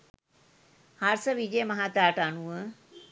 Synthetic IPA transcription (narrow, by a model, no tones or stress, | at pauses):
haɾsəʋid͡ʑəjəmɐɦat̪aːʈəanuə